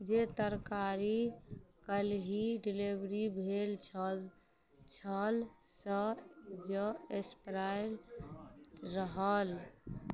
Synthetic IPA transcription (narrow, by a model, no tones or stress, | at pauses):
d͡ʒet̪əɾkaɾikəlɦiɖilibɾibʱelt͡ʃʰə | t͡ʃʰəlsəd͡ʒəespɾal | ɾəɦəl